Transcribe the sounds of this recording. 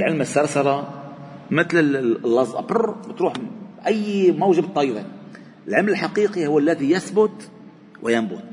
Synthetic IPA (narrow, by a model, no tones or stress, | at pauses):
lʕəlməsːɑɾˤsalɑ | mət̪ləlːɑzˤʔɑ̰bərˤbət̪ɾuːħʔæjːmæwʒəbt̪ˤːɑjd̪i | əlʕamləlħaqiqihʊwːəlːæðijæsbʊt̪ | wɪjambʊ̰t̪̚